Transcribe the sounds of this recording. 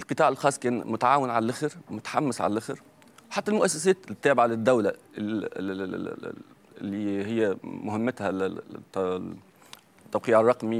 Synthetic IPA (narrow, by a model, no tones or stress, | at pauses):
ɪlqɨt̪ˤɑːʕelxɑːsˤːkæːnmʊt̪aʕaːwenʕalælːʔæxeɾwmʊt̪ḁħamːæsʕa̰lælːʔæxeɾ | weħat̪ːælmʊʔæsːæsæːt̪lt̪ːæːbɪʕalɪd̪ːæwlæ | lːiːhɪjːæmʊhɪmːæt̪hæ | t̪ːæwqiːʕɑrˤːɑqmi